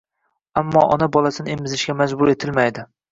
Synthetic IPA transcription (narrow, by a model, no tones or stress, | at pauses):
amːɒ̰ːʔɒnabɒlˠasɪnɪemɪzɪʃɡʲamad͡ʒbʊɾe̞t̪ʰɪlmajd̪ɪ